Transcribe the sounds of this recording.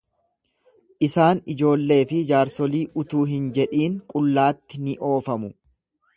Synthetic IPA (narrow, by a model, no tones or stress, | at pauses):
ʔɪsaːnɪd͡ʒo̞ːlːe̞ːfɪd͡ʒaːɾsɔliːʔʊt̪uːɦɪnd͡ʒɛᶑiːŋkʼʊlːaːt̪ːɪnɪʔo̞ːfɐmʊ